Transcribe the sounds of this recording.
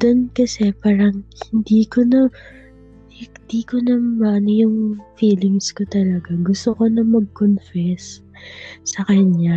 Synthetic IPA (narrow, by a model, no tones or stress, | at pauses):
d̪̥onkɐsɛpaːɾɐŋhɪnd̪iːkonɐ | hnd̪iːkonɐmɐʔnojʊŋfiːlɪŋskot̪ɐlɐɡaɡʊst̪oko̞nɐmɐɡ̚konfɛs | sɐkɐɲɲa